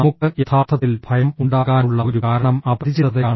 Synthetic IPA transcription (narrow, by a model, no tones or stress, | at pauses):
ɐmukːɨʔet̪ʰaːrt̪ʰːɐt̪ːilbʱɐjɐmuɳɖaːɣaːnuɭːɐoɾukaːɾɐɳɐmɐbɐd̪it͡ɕiɾɐðɐaːɳ